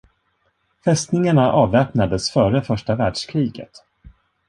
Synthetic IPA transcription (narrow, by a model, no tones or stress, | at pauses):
fɛst̪nɪŋaɳaʔɑːvɛːpnad̪əsfœːɾəfœʂʈavæːɖʂkʰɾiːɡə̰t̪